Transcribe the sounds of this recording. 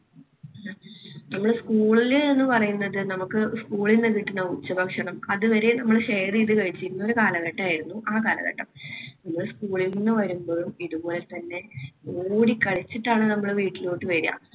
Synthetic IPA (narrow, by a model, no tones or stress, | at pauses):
nɐmːɐɭeskuːɭilenːɨpɐrɐjunːɐðɨnɐmukːɨskuːɭinːɨkiʈːinːɐut͡ɕːɐbʱɐkʂɐɳɐmɐðɨʋɐɾe̞nɐmːɐɭɕejɐriiðɨkɐɻit͡ɕːiɾunːɐo̞ɾukaːlɐɣɐʈːɐaːjiɾunːuʔaːkaːlɐ̰ɣɐ̰ʈːɐmnɐmːɐɭskuːɭilnːɨʋɐɾumbo̞ːlumiðubo̞ːlet̪ɐnːe̞oːɽikːɐɭit͡ɕːiʈːaːɳɨnɐmːɐɭeʋiːʈːilo̞ːʈːɨʋɐɾija̰ː